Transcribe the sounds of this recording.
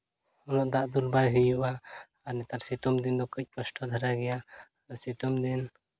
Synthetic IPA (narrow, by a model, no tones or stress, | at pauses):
hɔnɔʔd̪aʔd̪ulbajɦujuʔa | anɛt̪aɾsit̪umd̪ind̪ɔkəc̚ˀkɔsʈʰɔd̪ʱaɾaɡɛja | ɾɔsit̪umd̪in